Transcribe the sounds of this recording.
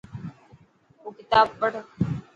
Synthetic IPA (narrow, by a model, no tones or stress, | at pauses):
oːkɪt̪aːbpəɽ